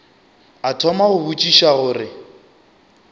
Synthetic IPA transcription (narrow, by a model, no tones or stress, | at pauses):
atʰɔmaɣʊbut͡ʃʼiʃaɣʊːrɪ